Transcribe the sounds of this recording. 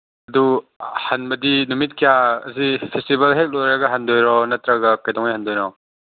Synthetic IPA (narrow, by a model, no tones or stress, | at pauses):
ɐduhanbɐdinumit̚kijaɐ̰zipʰestibɐlɦet̚lojɾɐɡɐɦandojɾɔnɐtɾɐɡɐkajdɔŋajhandojnɔ